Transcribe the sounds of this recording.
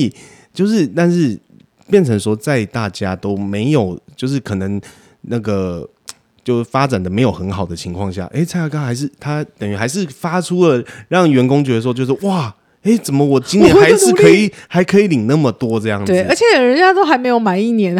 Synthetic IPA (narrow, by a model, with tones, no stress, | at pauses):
i˨˩ | t͡ɕjo˥˧ʊʂɻ̩˥˧t̪a˥˧nʂɻ̩˥˩ | pjɛ˥˩nt͡sʰə˧˥ŋʂwɔ˥t͡sa˥˧ɪt̪a˥˩t͡ɕja˦˥t̪o˥ʊme˧˥ɪjo˨˩ʊt͡ɕjo˥˧ʊʂ̬ɻ̩˥˩kʰɤ˨˩nə˧˦ŋ | na˥˩ɡə˩ | t͡ɕjo˥˧ʊʂ̩˥˩fa˦˥t͡sa˨˩nd̪ə˩me˧˥ɪjo˨˩ʊxə˧˦˥nxɑ˨˩ʊd̪ə˦t͡ɕʰi˧˥ŋkʰwɑ˥˧ŋɕja̰˥˩ʔe˥˩ɪt͡sʰa˥ɪa˥kɑ˥ŋxa˧˥ɪʂ̬ɻ̩˥˩t̪ʰa˥t̪ə˨˩ŋy˧˥xa˧˥ɪʂ̬ɻ̩˥˩fa˥ʈ͡ʂʰu˥lə˨ɻɑ˥˩ŋɥɛ˧˥nko˥ŋt͡ɕɥɛ˧˥ə˧˥˧t͡ɕo˥˧ʊʂ̩˥ʔwa˥˩ | e˥˩ɪt͡sə˨˩nmə˦wɔ˨˩t͡ɕi˥ŋnjɛ˧˥a˧˥ɪʂɻ̩˥˨kʰɤ˧˥i˨˩xa˧˥ɪkʰɤ˧˥i˨˩˦li˨˩ŋna˥˩mə˩t̪wɔ˥ʈ͡ʂɤ˥˧jɑ˥˩ŋwezə˞˧˥t͡ɕʰjɛ˨˩ɻə˦nt͡ɕja˥t̪o˥ʊxa˧˥ɪme˧ɪjo˨˩ʊma˧˦ni˥˩njɛ˧˦n